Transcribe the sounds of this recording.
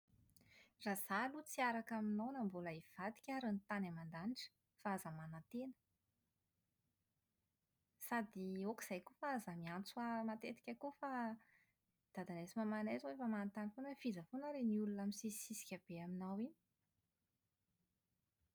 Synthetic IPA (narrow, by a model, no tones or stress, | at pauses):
raz̥alut͡siaɾakaminawnambolaiv̥ad̪i̥kʲaɾənit̪anamand̪aniʈ͡ʂə̥ | faazamanat̪enə̥ | sad̪ioki̥z̥ajkufaazamiant͡suamat̪et̪i̥kʲakufa | d̪̥ad̪anesimamanezwefamanat̪anifonəfizəfonaɾeniulunaminsisisi̥kʲab̥eaminawin